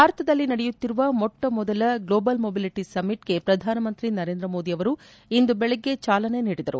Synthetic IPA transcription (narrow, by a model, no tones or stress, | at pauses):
bʱaːɾɐt̪ʰɐd̪ɐlːinɐɽɛjut̪ːiɾuʋɐmɔʈːɐmɔd̪ɐlɐɡloːbɐlmoːbiliʈisɐmːiʈɡ̥e̞pɾɐd̪ʱaːnɐmɐnt̪ɾinɐɾe̞ːnd̪ɾɐmoːd̪iɐʋɐɾu | ind̪ubɛɭɐɡːe̞t͡ʃaːlɐne̞niːɽid̪ɐɾṵ